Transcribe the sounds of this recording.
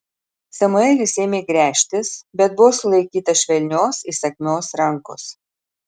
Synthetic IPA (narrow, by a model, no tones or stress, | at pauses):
sʲɛmʊɛːlʲɪsʲeːmʲeiɡɾʲæːʃʲt̪ʲɪsbʲɛt̪̚bʊʋoːsʊlˠɐɪkʲiːt̪ɐʃʲʋʲɛlʲnʲoːsisɐkʲmʲoːsɾɐŋko̰ːs